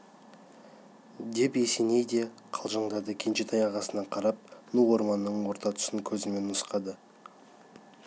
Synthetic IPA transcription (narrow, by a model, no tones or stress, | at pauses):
d̪e̞pe̞se̞ne̞jd̪e̞ | qʰɑlˠʒɑɴd̪ɑd̪əkʲʰe̞nʃe̞t̪ɑjɑʁɑsənɑqʰɑɾɑp̚nuo̞ɾmɑnːəɴwo̞ɾt̪ɑt̪ʰʊ̥səŋkʲʰɵzɪme̞nːəsqɑd̪ə